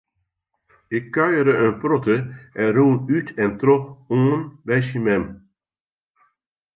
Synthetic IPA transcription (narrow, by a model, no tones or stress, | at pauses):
ɪkːœɥəɾəənprɔtəʔɛnruːnytɛntrɔχoːənbɛjʃimɛm